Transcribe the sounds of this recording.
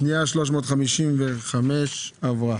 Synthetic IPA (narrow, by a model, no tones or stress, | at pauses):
niaʃlo̞ʃ̬mo̞ːt̪χamiʃimveχameʃavʁa